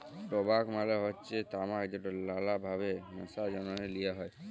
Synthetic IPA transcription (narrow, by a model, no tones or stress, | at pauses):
pɔbakmaleɦɔtːt͡ʃet̪amakd̪ɔʈɔlalabʱabenəsad͡ʒɔnɔnelijaɦɔj